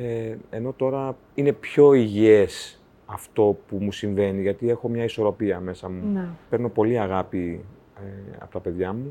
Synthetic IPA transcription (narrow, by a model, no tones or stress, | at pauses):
eeno̞t̪o̞ɾɐ | ine̞pço̞iʝies | ɐft̪o̞pumusiɱve̞niʝɐt̪ie̞xo̞mɲɐiso̞ɾo̞piɐme̞sɐmupe̞ɾno̞po̞liɐɣɐpi | ɐ̰po̞t̪ɐpe̞ðʝɐmu